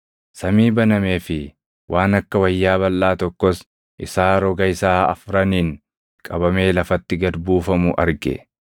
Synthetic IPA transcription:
sɐmiːbɐnɐme̞ːfɪ | wʔaːnɐkːɐwɐjːaːbɐlːaːt̪ɔkːɔs | ʔɪsaːɾɔɡɐɪsaːɐ̰fɾɐniːŋ | kʼɐbɐme̞ːlɐfɐt̪ːɪɡɐd̪buːfɐmʊʔɐ̰ɾɡɛ̰

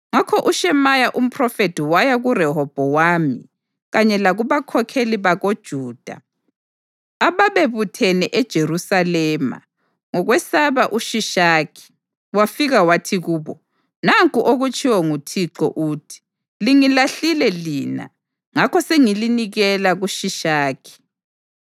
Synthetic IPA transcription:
ŋakʰɔʔuʃɛmajaʔum̩pʰrɔfetʰiwajaɣuɾɛɦɔb̥ʱɔwaːmḭ | ɣaɲɛlaɣuβakʰɔkʰeliβaɣod̥ʒ̥ʱuːd̥ʱa̰ | aβaβeβutʰɛnɛʔɛd̥ʒ̥ʱerusalɛːma̰ | ŋɔɣwɛsaβaʔuʃiʃaːkʰi̥ | wafiɣawatʰiɣuːβɔ | naŋkʼuʔoɣut͡ʃʰʼiwɔŋutʰiǁɔ̰ʔuːtʰi̥ | liŋilaɬilɛliːna̰ | ŋakʰɔseŋiliniɣɛlaɣuʃiʃaːkʰi̥

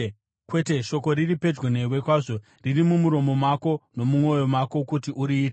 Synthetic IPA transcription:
kwe̞te̞ʃo̞ko̞ɾiripe̞d͡ʒɡene̞we̞kwaːʐo̞ | ririmumuɾo̞mo̞mwako̞no̞mumo̞jo̞mwako̞kutiʔuɾiːt

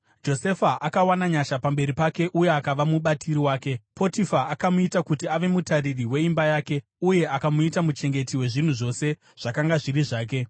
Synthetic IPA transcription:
d͡ʒo̞se̞faʔakawanaɲaʃapambe̞ɾipake̞ʔuje̞akaʋamuɓatʰiɾiwaːke̞po̞tifaːkamuitakutiaʋe̞mutaririwe̞imbajaːke̞ | uje̞akamuitamut͡ʃe̞ŋɡe̞tiwe̞ʐin̤uʐo̞se̞ | ʐ̥akaŋɡaʐiriʐaːk̬e̞

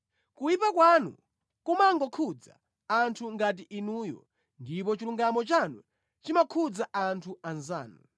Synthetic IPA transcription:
kujipakwanṵ | kumaŋɡɔkʰud͡za̰ː | ntʰuŋɡat̬iʔinuːjɔ̰ | ndipɔt͡ʃiluŋɡamɔt͡ʃanṵ | t͡ʃimakʰud͡zaʔantʰuanza̰ːnu

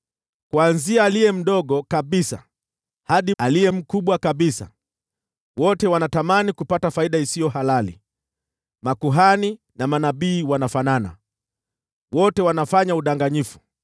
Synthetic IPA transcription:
kwanziaːlijɛm̩ɗɔɠɔkaɓisa̰ | haɗialijɛm̩kuɓwakaɓisa̰ | wɔtɛwanatamanikupatafaiɗaisijɔhalalḭ | makuɦani | namanaɓiːwanafanana̰ | wɔtɛwanafaɲauɗaŋɡaɲifu̥

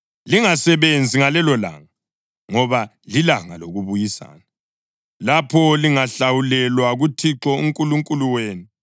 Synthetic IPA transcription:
liŋasɛβend͡zʱiŋalɛlɔla̰ːŋa | ŋɔβa | lilaŋa̰loɣuβujisa̰ːna | lapʰɔliŋaɬawulɛlwaɣutʰiǁɔuŋkʼuluŋkʼuluweːnu

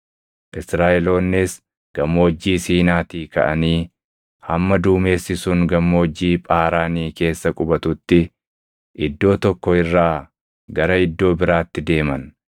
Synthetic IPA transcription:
ʔɪsɾaːɛlo̞ːnːes | ɡ̥ɐmːo̞ːd͡ʒːiːsiːnaːt̪iːkɐ̰ʔɐ̰niː | hɐmːɐd̪uːme̞ːsːɪsʊŋɡɐmːo̞ːd͡ʒːiːpʼaːɾaːniːke̞ːsːɐkʼʊbɐt̪ʊt̪ːɪ | ʔɪd̪ːo̞ːt̪ɔkːɔɪrːaː | ɡɐɾɐɪd̪ːo̞ːbɪɾaːt̪ːɪd̪e̞ːmɐn

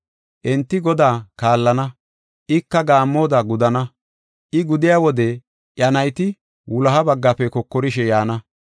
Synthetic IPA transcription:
ʔɛnt̪ːɪɡɔd̪aːkaːlːɐnɐ | ʔɪkːɐɡaːmːo̞ːd̪aɡʊd̪ɐnɐ | ʔɪɡʊd̪ɪjaːwɔd̪ɛ | ʔjɐnɐjt̪ɪ | wʊlɐɦɐbɐɡːɐpɛkɔkːɔɾɪʃɛjaːnɐ

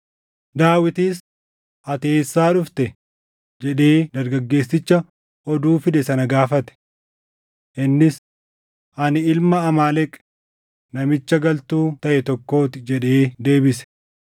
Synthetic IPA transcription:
d̪aːwɪt̪iːs | ʔɐt̪eːsːaːᶑʊft̪ɛ | d͡ʒɛᶑeːd̪ɐɾɡɐɡːe̞ːsːɪt͡ʃːɐ | ʔɔd̪uːfɪd̪ɛsɐnɐɡaːfɐt̪ɛ̥ | ʔɪnːɪs | ʔɐnɪɪlmɐːmaːlɛkʼ | nɐmɪt͡ʃːɐɡɐlt̪uːt̪ɐʔɛt̪ɔkːo̞ːt̪ɪd͡ʒɛᶑeːd̪e̞ːbɪsɛ̥

